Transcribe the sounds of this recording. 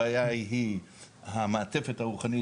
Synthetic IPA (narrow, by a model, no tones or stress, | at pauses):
ajajiɦiɦameat͡sefethauχani